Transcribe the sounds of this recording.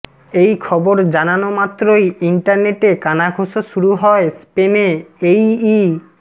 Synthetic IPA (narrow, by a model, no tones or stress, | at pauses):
ejkʰɔboɾd͡ʑananomat̪ːɾojiɳʈaɾneʈekanaɡʱoʃoʃuɾuɦɔespeneeji